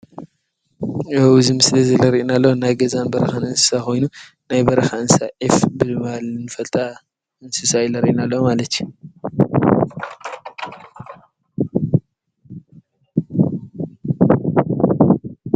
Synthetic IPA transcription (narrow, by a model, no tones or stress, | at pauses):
ɐwuzɨmɨslɐzɐlɐɾiʔnalːonajɡɐzanbɐɾɐxanɨnsɨ̥sako̞jnu | najbɐɾɐxaɨnsaʕifbɨɨmalnɨfɐlt̪ʼa | ɨnsɨsajɪlɐɾʔinalːomalɐt̪ju